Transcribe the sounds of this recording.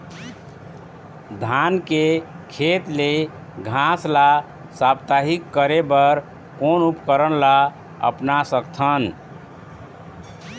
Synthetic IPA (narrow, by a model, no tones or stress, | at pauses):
d̪ʱanke | kʰet̪le | ɡʱasla | sabt̪aɦikːəɾebəɾ | konupkəɾənla | ə̰pnasəkt̪ʰən